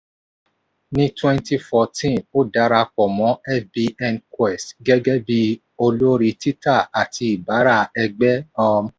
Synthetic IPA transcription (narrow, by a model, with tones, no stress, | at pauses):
nĩ˦twɛ̃˦nti˧fɔ˨tĩ˦˨o˦da˨˦ɾa˧k͡pɔ˨mɔ̃˨˦ɛ˦fbi˧ɛ˧nkwɛ˨stɡɛ˦ɡɛ˦bi˦ | o˧lo˦ɾi˧ti˦ta˦˨a˨ti˧i˨ba˨˦ɾa˦˨ɛ˧ɡ͡bɛ˦ɔ˧m